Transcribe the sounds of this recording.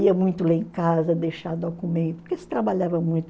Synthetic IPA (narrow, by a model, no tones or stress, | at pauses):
iɐmũj̃t̪ʊleẽkazɐd̪ejʃad̪okumẽnt̪ʊ̥pʊkesɪ̥t̪ɾabaʎavɐmũj̃t̪ʊ̥